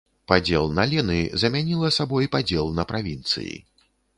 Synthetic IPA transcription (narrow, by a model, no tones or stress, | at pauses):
pad͡zʲɛlˠnɐlʲɛnɨzɐmʲanʲilˠɐsabɔjpad͡zʲɛlˠnɐpɾavʲint̪sɨ̰jḭ